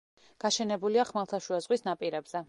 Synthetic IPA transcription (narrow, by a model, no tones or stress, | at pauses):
ɡ̥aʃɛnɛbuliaχmalˠt̪ʰaʃuazʁwisnapʼiɾɛbz̥ɛ